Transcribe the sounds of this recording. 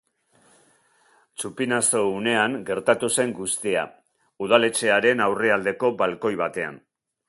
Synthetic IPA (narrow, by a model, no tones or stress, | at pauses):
t͡supinaso̞une̞aŋɡe̞ɾt̪at̪use̞ŋɡust̪ia̰ | uð̞ale̞t͡ʃe̞aɾe̞nawre̞ald̪e̞ko̞balko̞jβat̪e̞a̰n